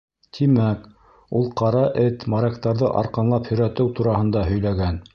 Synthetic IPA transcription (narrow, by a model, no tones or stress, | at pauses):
t̪ʰimæk | ulˠqʰɑɾɑʔɘt̪mɑɾɑkt̪ɑɾðɤ̰ʔɑ̰ɾqɑnlˠɑphɵ̆jɾæt̪ɘwt̪uɾɑhɤ̆nd̪ɑɦɵ̆jlæɡæn